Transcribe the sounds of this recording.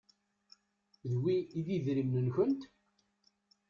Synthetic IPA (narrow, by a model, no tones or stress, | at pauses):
ðwiːðiðɾimnənçənt̪